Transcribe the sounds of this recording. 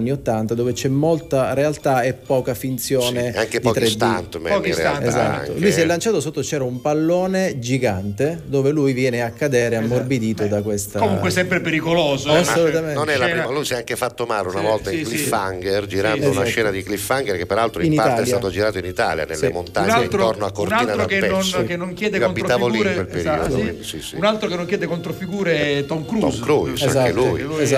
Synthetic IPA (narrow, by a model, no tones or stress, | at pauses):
nːiot̪ːant̪ad̪oːvet͡ʃɛmːolt̪aɾealt̪aɛpːɔːkafint̪sjoːneaŋked̪piɔːk̪t̪ɾesd̪t̪int̪mɛeza̰t̪ːo̰lujs̬iɛlːant͡ʃaːt̪osot̪ːot͡ʃɛːɾaumpalːoːned͡ʒiɡant̪ed̪oːvelujvjɛːneakːad̪eːɾeamːorbid̪iːt̪od̪akwest̪aomuŋkwesɛmpɾepeɾikoloːzoasolut̪amenonɛlamalujsɛaŋŋkefat̪ːomaːleunavɔlt̪aiŋklifaŋɡerd͡ʒiɾand̪ounaʃɛːnad̪iklifːaŋɡerkepːeɾalt̪ɾoiinipaɾat̪ːeɛsljaat̪od͡ʒiɾaːt̪oinit̪a̰lja̰nḛlːḛmont̪auɲnːeit̪ɾornoakːoɾnaliːnad̪oakepɛonkenːoŋkjɛːd̪ekaonbːiɾaːvoliwelpeɾḭːo̰sisiunalt̪ɾokenːoŋkjɛːd̪ekont̪ɾofiɡuːɾet̪ɔŋkɾuɔ̰smkɾuea̰zakelujz